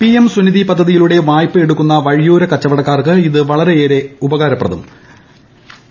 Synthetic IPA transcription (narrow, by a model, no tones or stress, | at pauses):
piemsuniðipɐd̪ʱːɐðijiluɽe̞ʋaːjpːɨe̞ɽukːunːɐʋɐɻjuːɾɐkɐt͡ɕːɐʋɐɽɐkːaːrkɨiðɨʋɐɭɐɾe̞eːɾe̞ubɐɣaːɾɐpːrɐ̰ðɐ̰m